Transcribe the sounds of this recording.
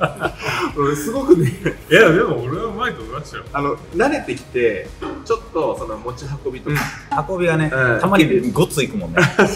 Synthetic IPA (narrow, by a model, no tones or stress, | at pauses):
ɯ̟̃sɨɡo̞kɯ̟nejad̪e̞mooɾeamaik̪oɡɯɾḁaano̞naɾe̞t̪e̞kʲi̥t̪e̞t͡ɕo̞t̪ːo̞so̞no̞mo̞t͡ɕiɦako̞bʲit̪okahako̞bʲiɡanet̪amaɾʲiɡot͡sɨikɯ̟mõ̞nːe